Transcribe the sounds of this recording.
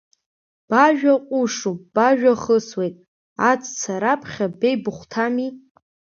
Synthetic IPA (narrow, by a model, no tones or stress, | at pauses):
b̥aʒᶣaqʷʼʊʂub̥aʒᶣaχəswejtʼ | at͡sʰʼt͡sʰaɾapʰχʲabejbɨχʷtʰami